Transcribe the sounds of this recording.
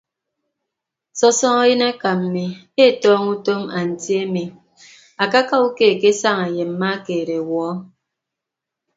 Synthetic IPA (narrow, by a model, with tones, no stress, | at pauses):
sɔ˦sɔ˦ŋa˦ji˦na˦ka˨m̩˨mi˨ | e˦˨tɔː˦ŋu˦to˦ma˨n̩˨tje˦mi˨ | a˨ka˦ka˦u˦ke˦˨ke˦sa˦ŋa˨je˨m̩˨˦ma˦keː˨ɾe˨wɔː˨˦